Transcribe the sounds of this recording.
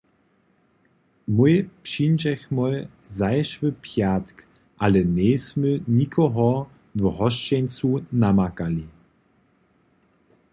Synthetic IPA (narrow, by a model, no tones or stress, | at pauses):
mujpʃind͡ʒɛxmɔj | zajʃvəpʰjat̪k | ʔalɛnɛːsməɲikʰɔɦɔ | vɦɔʃt͡ʃɛnt͡sunamakali